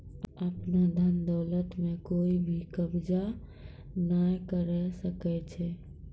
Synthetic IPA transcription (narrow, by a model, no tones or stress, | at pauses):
əpnad̪ʱənd̪ɔlət̪mekoibʱikəbd͡ʒa | najkəɾɛsəkɛt͡ʃʰɛ